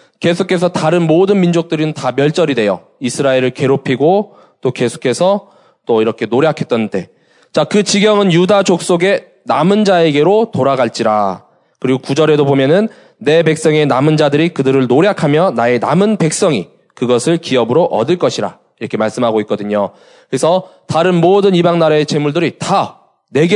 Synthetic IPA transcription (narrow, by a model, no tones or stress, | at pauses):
ke̞sʰokʰe̞s̬ʰʌtaɾɯnmodɯnmind͡ʑok̚t͈ɯɾinɯntamjʌɭt͡ɕ͈ʌɾidwe̞jʌ̰ | isʰɯɾaeɾɯɭke̞ɾopʰiɡo | t͈oke̞sʰo̥kʰe̞sʰʌ | t͈oiɾʌkʰe̞noɾjakʰe̞t̚t͈ʌnde̞ | t͡ɕakɯt͡ɕiɡjʌŋɯnjudad͡ʑok̚s͈oɡe̞ | namɯnd͡ʑae̞ɡe̞ɾotoɾaɡaɭt͡ɕ͈iɾa̰ | kɯɾiɡokud͡ʑʌɾe̞dobomjʌnɯnː | e̞be̞k̚s͈ʌŋe̞namɯnd͡ʑadɯɾikɯdɯɾɯɭnoɾjakʰamjʌnae̞namɯnpe̞k̚s͈ʌŋi | kɯɡʌsʰɯɭkiʌbɯɾoʔʌ̰dɯɭk͈ʌɕʰiɾa̰ | iɾʌkʰe̞maɭs͈ɯmɦaɡoik͈̚ʌdɯɲo | kɯɾesʰʌtaɾɯnmodɯnibaŋnaɾaet͡ɕe̞muɭdɯɾita | neɡe